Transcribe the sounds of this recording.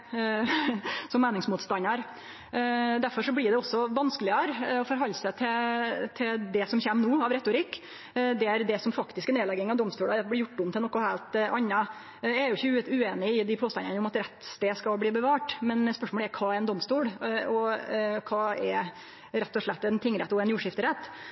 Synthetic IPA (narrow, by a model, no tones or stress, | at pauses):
sɔmːeːnɪŋsmuːt̪st̪ɑnːɑɾ | d̪æɾfɔɾʂɔblɪɖ̪ɛɔsːɔʋɑnskəlɪəɾɔfɔɾɦɑlːsɛt̪ʰɪt̪ʰɪld̪ɛsɔmçeːmnuːɑʋɾɛt̪ːʊɾɪkː | d̪ɛæɾd̪ɛsɔmfɑkt̪ɪskəneːlɛɡɪŋɑʋd̪ɔmst̪uːlɑd̪ɛblɪɾjʊʈ̪ːʊmnɪɔkːʊhæːlt̪ʔɑnːɑ | jææɾjʊɪçːəʉeːnɪɪd̪ɪpʰoːst̪ɑnːɑnəʊmɑt̪ɾɛt̪ːst̪eːskɑlbliːbəʋɑːʈmɛnspœʂmɔːləæɾkʰɑːæɾɛnd̪ɔmst̪uːɽɔkʰɑːɛɾ | ɾɛt̪ːɔʂɭɛt̪ːɛnt̪ʰɪŋɾɛt̪ːɔɛnjuːʂɪft̪əɾɛt̪ː